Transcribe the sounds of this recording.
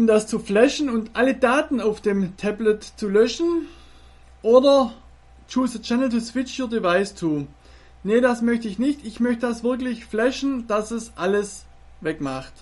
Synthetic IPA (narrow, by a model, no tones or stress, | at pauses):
ʔʊmdast͡suflɛʃn̩ʊntʔalədaːtn̩aʊfd̥eːmtʰɛblətt͡sulœʃn̩ | ʔoːdɐ | t͡ʃuːsət͡ʃɛnəl̩tusv̥ɪt͡ʃyːɐdivaɪst͡suː | nədasmœçtəɪçnɪçtɪçmœçtədasv̥ɪɐklɪçflɛʃn̩d̥asɛsʔaləs | vɛkmaχt